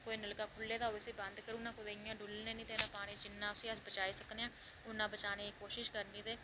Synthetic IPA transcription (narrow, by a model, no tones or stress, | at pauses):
koːiːnəlkaːkʰʊlːeːd̪aːoːisiːbənd̪kəɾuːnãːkod̪eɪjãːɖʊlnẽːnĩːt̪eːnãːpaːɽ̃ĩːd͡ʒɪnːãːʊsĩːəd͡ʒbət͡ʃaːiːsəkneːãː | ʊnːãːbət͡ʃaːneːkoːʃɪʃkəɾnĩːt̪eː